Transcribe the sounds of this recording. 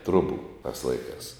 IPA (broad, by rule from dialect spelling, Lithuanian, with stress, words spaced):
ˈtrʊbʊ tɐs ˈlˠɐɪˌkɑːs